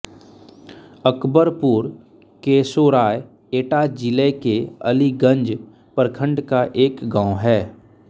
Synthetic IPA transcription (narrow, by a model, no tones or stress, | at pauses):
əkbəɾpuːɾ | keːsoɾaːj | eːʈad͡ʒɪlekeə̰liɡə̃ɲd͡ʒ | pəɾkʰə̃ɳɖkaʔeːkɡãːʊ̃ɦɛː